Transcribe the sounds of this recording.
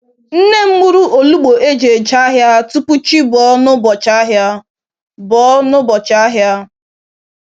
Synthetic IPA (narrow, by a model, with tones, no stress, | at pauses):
n̩˦ne˦m̩˦mu˦ɾu˦ʔo˨lu˦ɡ͡bo˨ʔe˦d͡ʒe˨d͡ʒa˦ɦja˦tu˦pu˦t͡ʃi˦bɔ˦nʊ˦bɔ˨t͡ʃa˦ɦja˦ | bɔ˨˦nʊ˦bɔ˨t͡ʃa˦ɦja˦